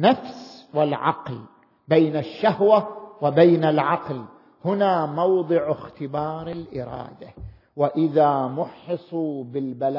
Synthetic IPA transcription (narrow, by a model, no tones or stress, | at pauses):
nːafswɪlʕɑ̰ql | bejnaʃːahwawɪbaːnalʕɑql | hʊnaːmɑwd̪ˤɨʕɪxt̪ɪbɑːɾˤɪlʔɪɾˤɑ̰ːd̪a | wɪʔɪðaːmʊħɨsˤubɪlbal